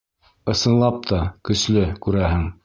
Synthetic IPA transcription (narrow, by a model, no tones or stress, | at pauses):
ɤ̆sɤ̆nlˠɑp̚t̪ʰɑkɵ̆slɵkʉɾæɦɘŋ